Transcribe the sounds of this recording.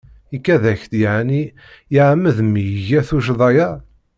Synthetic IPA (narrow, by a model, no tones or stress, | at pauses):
ikːæðæçt̪jaʕni | jəʕmːəðmijʝæθuʃ̬ðˤɑjæ